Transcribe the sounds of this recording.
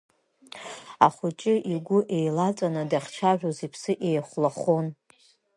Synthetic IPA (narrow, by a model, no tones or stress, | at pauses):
a̰χʷʊt͡ʃʼɪʔiɡʷʊʔe̞jlat͡sʼanɨdaχʲt͡ʃʰaʒᶣozipʰsɨʔejχʷlaχon